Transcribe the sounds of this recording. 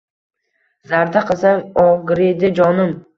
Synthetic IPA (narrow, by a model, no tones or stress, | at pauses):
zaɾd̪aqʰɨsaɒɡɾed̪ɪd͡ʒɒnɪm